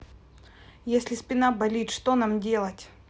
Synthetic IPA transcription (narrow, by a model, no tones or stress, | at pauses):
jesʲlʲɪsʲpʲɪnabɐlʲitʲʂt̪onamdʲe̞lˠətʲ